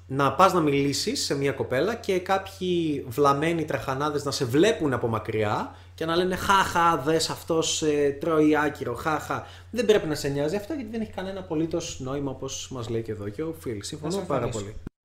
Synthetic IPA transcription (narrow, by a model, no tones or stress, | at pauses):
nɐpɐznɐmilisisːe̞miɐko̞pe̞lɐce̞kɐpçivlɐme̞nit̪ɾɐxɐnɐðe̞znɐse̞vle̞punɐpo̞mɐkɾiɐ | ce̞nɐle̞ne̞xɐxɐðesɐft̪o̞set̪ɾo̞iɐciɾo̞xɐxɐ | ðembɾe̞pinɐseɲɐziɐft̪oʝɐt̪iðeneçi̥kɐne̞nɐpo̞lit̪o̞sno̞imɐopo̞smɐzleice̞ðo̞ceofilsiɱfonumpɐɾɐo̞li